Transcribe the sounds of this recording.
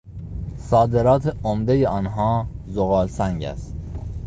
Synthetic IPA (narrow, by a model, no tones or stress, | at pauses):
sɒːd̪e̞ɾɒːt̪ʰeomd̪ejeɒːnɦɒːzoɣɒːlsæŋɟæ̰st̪̚